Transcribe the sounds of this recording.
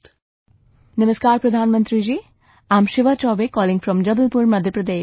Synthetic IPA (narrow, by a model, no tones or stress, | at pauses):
nəməskaːɾpɾɐd̪ʱaːnmənt̪ɾid͡ʒiː | aːmʃɪʋat͡ʃɔːbekɔːlɪŋfɾɔmd͡ʒɐbəlpuɾmɐd̪ʱjəpɾɐd̪eː